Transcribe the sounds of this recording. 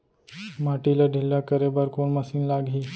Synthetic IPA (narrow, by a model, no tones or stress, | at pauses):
maːʈilaɖʱɪlːakəɾebəɾkoːnməsiːnlaːɡɦiː